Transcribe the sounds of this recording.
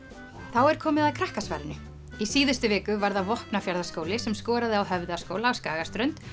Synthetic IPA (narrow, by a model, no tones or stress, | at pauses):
θawɛɾ̥kʰɔːmɪðaðkʰɾahkasva̰jlnʏ | isiːðʏst̪ʏvɛːkʏvaɾðavɔhpnafjaɾðaskoːwlɪsɛmskɔːɾaðɪawɦœvðʏḁskoːwlaːawskaːɣast̪ɾœnt̪